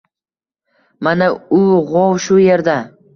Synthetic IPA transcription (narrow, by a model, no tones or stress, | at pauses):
manaʊʁowʃʊje̞ɾd̪a